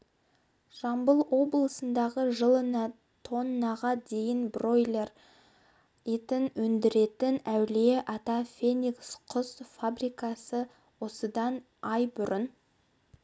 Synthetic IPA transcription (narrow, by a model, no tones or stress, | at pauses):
ʒ̥ɑmbəlˠwo̞blˠəsənd̪ɑʁəʒəlˠənɑ | t̪ʰo̞nːɑʁɑd̪e̞jɪnbro̞jlʲe̞r | et̪ɪnwɵnd̪ɪɾe̞t̪ɪnæwleʔɑt̪ɑfʲe̞nʲiksqʰʊsfabrijkɑsə | wo̞səd̪ɑn | ɑjbʊɾən